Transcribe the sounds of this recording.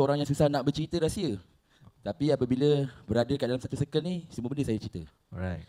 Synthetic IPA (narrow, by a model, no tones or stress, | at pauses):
oɾaŋjaŋsusahnaʔbərt͡ʃɾit̪əɾasiə | t̪apiapəbiləbəɾadəkaʔdalamsat̪usəkəlnisəmuəbəndəsajət͡ʃɾit̪ə | ɾaj̚